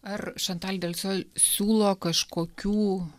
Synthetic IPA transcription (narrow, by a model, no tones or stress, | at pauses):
ɐrʃɐnt̪ɑːlʲd̪ʲɐlʲsʲoːsʲuːlˠoːkɐʃkoːkʲuː